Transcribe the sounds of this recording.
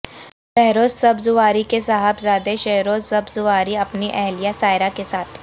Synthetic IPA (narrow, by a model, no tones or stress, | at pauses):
ʃɛɦɾoːzsɐbzʊʋaːɾikesaːɦəbzaːd̪eʃɛɦɾoːzsɐbzʊʋaːɾiɐpniʔɛɦlijasaːɪɾakesaːt̪ʰ